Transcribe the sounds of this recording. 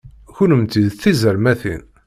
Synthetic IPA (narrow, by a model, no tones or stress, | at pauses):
çunəmt̪id̪θizəɾmæθḭn